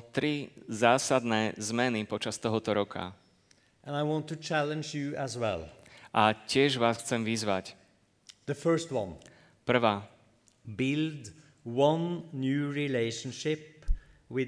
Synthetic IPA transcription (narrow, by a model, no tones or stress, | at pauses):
t̪ɾizaːsad̪nɛːzmɛnipɔt͡ʃast̪ɔɦɔt̪ɔɾɔkʰa̰ | ʔə̃naɪwɑ̃ntut͡ʃʰælˠə̃nd͡ʒjuəzwɛ̰lˠ | ʔacɪɛʒʋaːsxt͡sɛmʋizʋac | ðəfɜ˞stwʌ̰̃n | pr̩ʋaː | bɪld | wʌ̃nːjʉːɹileɪʃn̩ʃɪp | wɪ